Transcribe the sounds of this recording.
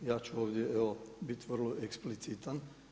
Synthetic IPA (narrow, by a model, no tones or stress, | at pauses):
jaːt͡ʃuoʋd̪jɛɛobit̪ʲʋərloʔɛksplit͡sit̪ən